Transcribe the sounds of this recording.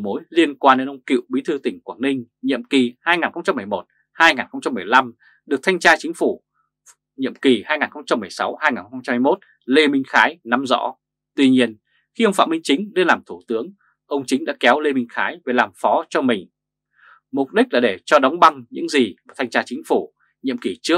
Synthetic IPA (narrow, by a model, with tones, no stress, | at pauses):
mo˨˦jli˧ənkwaː˧nɗe˧nʔə˧wŋ͡mkḭ˧˨wɓi˨˦t̪ʰɨ˧t̪ï˧˩ŋ̟kwaː˧˩nnï˧ŋ̟ | ɲḭ˧˨əmki˨˩haː˧jŋaː˨˩nxə˧wŋ͡mt͡ɕa˧mːɨ˨˩əjmo˨˩t̚ | haː˧jŋaː˨˩nxə˧wŋ͡mt͡ɕa˧mːɨ˨˩əjla˧m | ɗɨ˨˩ək̚t̪ʰa˧jŋ̟t͡ɕaː˧t͡ɕi˨˦ŋ̟fu˧˩ | ɲḭ˧˨əmki˨˩haː˧jŋaː˨˩nxə˧wŋ͡mt͡ɕa˧mːɨ˨˩əjsa˨˦whaː˧jŋaː˨˩nxxŋ͡mt͡ɕa˧ha˧jmo˦˥t̚ | le˧mï˧ŋ̟xaː˨˦jna˨˦mzɔ̰˧˥ | t̪wi˧ɲi˧ən | xi˧ʔə˧wŋ͡mfa̰ː˧˨mï˧ŋ̟t͡ɕï˨˦ŋ̟le˧nlaː˨˩mt̪ʰu˧˩t̪ɨ˨˦əŋ | ʔə˧wŋ͡mt͡ɕi˨˦ŋ̟ɗa̰ː˧˥kɛ˨˦wle˧mï˧ŋ̟xaː˨˦jve˨˩laː˨˩mfɔ˨˦t͡ɕɔ˧mï˨˩ŋ̟ | mʊ˨˩k͡p̚ɗi˦˥k̚laː˨˩ɗe˧˩t͡ɕɔ˧ɗɔ˨˦wŋ͡mɓa˧ŋɲɨ̰˧˥ŋziː˨˩˨t̪ʰa˧jŋt͡ɕaː˧t͡ɕï˨˦ŋ̟fu˧˩ | ɲḭ˧˨əmki˨˩t͡ɕɨ˦˥ək̚